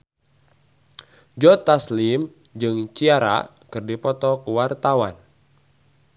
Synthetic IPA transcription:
d͡ʒɔt̪aslim | d͡ʒɨŋt͡ʃiaɾa̰ | kɨrdipɔt̪ɔkuwart̪awa̰n

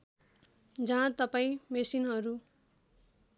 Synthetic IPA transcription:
d͡zʌɦãt̪ʌpaĩmesinɦʌɾu

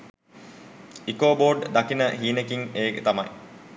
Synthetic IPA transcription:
ikoːboːɾɖd̪ɐkinəɦiːnekiŋeːɡet̪ɐmɐj

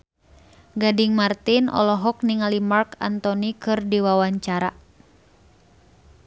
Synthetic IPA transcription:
ɡadiŋmart̪inɔ̰lɔɦɔk̚niŋalimarka̰nt̪ɔnikɨrdiwawaɲt͡ʃaɾa̰

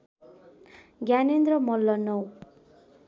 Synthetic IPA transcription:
ɡjanend̪rʌmʌlːʌnʌw

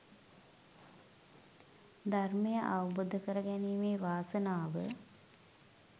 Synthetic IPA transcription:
d̪ʱarmejəʔaʋəbod̪ʱəkəɾəɡæniːmeːʋaːsənaːʋə

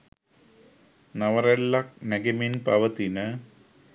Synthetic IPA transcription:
nɐʋɐrelːɐk̚neɡeminpɐʋɐt̪inə

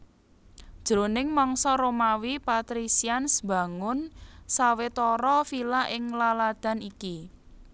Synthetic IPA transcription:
d̥ʒ̥ɾonɪŋmɔŋsɔɾomawipat̪ɾisiansba̤ŋʊnsawet̪ɔɾɔfilaʔɪŋlalad̪̥a̤niki

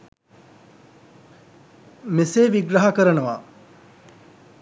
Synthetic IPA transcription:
meseːʋiɡɾɐɦakəɾənəʋa̰

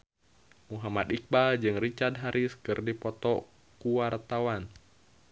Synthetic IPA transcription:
muɦamat̪ik̚bald͡ʒɨŋrit͡ʃad̪̚ɦaɾʔiskɨrdipɔt̪ɔ | kuwart̪awan

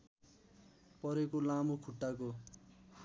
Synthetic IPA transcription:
pʌɾekolamokʰuʈːako

